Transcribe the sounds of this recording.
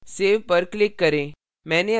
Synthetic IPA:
seːʋpəɾklɪkːəɾẽ | mɛ̃ːne

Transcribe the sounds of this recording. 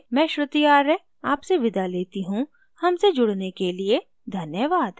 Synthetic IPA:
mɛ̃ːʃɾʊt̪ijaːɾɛ | aːpseʋɪd̪aleːt̪iɦũ | hɐmsed͡ʒʊɽnekelie | d̪ʱɐnjəʋaːd̪

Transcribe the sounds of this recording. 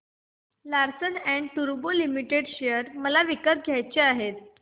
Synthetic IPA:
laɾsənæɳɖʈ̪uɾbolimiʈeɽɕejəɾməlaʋikəp̪̚ɡʱjajt͡ɕeaɦet̪̚

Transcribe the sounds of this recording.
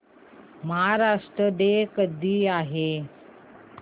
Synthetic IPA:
məɦaɾaʂʈɾəd̪ekəd̪iːaɦe

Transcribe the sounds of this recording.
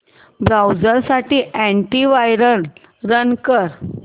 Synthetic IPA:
bɾawd͡zəɾsaʈiːʔæ̃ɳʈiʋajɾəl | ɾənkəɾ

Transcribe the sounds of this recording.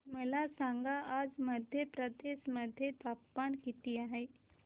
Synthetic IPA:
məlasãŋɡaːd͡zməd̪ʱjəpɾəd̪esməd̪ʱːjet̪apːankit̪iaɦe

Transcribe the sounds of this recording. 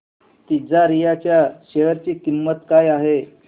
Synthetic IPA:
t̪id͡zaɾijat͡ɕjaɕeʋəɾt͡ɕiːkimːət̪kajaɦe

